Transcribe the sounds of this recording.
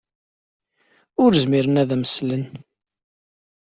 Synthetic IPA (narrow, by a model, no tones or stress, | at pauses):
ʊɾzmiɾənæðæməslən